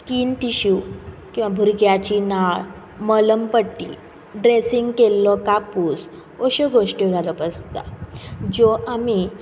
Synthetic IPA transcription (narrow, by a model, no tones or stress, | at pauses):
skiːnʈiɕukĩw̃ʋabʱuɾɡjat͡ɕinaɭ | mələmpəʈːḭ | ɖɾesiŋɡkelːɔkapuːs | ɔɕɔɡʱoʂʈjɔɡʱalɔpəst̪a̰d͡ʑɔʔami